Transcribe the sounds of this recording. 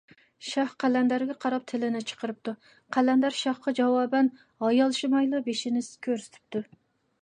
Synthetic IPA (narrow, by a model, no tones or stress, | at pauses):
ʃɑχqʰælɛnd̪æɾɡʲɛqʰɑɾɑp̚t̪ʰɪlɪnɪt͡ʃʰə̥qəɾɨp̚t̪ʰu | qʰælɛnd̪æɾʃɑχqɑd͡ʒɑwɑːbɛn | ɑjɑlˠʃimɑjlˠɨbeʃinɪskʲʰøɾsy̥t̪ʰy̥p̚t̪ʰu